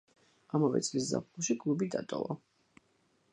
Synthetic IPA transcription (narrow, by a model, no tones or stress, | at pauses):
amavɛ̰t̪sʼlisza̰p̚ʰχulˠʃikʼlˠubid̪at̪ʼɔ̰vɔ